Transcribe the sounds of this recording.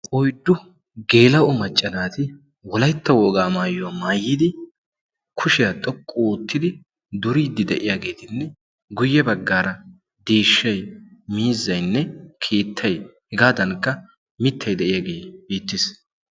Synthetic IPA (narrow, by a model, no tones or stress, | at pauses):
ʔɔjd̪ːʊ | ɡe̞ːlɐʔʊmɐt͡ʃʼːɐnaːt̪ɪ | wɔlɐjt̪ːɐwɔːɡaːmaːjʊamaːjːɪd̪ɪ | kʰʊʃɪjat̪ʼɔkʼːɔoːt̪ːɪd̪ɪ | d̪ʊɾiːd̪ːɪd̪ɛʔɪjaːɡe̞ːt̪ɪnːɛ | ɡʊjːɛbɐɡːaːɾɐ | d̪eːʃːɐjmiːzːɐjnːɛkʰeːt̪ʰːɐjhɪɡaːd̪ɐnkːɐ | mɪt̪ʰːɐjd̪ɛʔɪjaːɡe̞ːbiːt̪ːɪs